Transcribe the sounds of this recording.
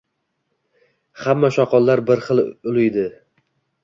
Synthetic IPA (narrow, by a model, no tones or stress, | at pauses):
hamːaʃɒqʰɒlˠːaɾbɪɾχɨlˠʊlˠɪjd̪ɪ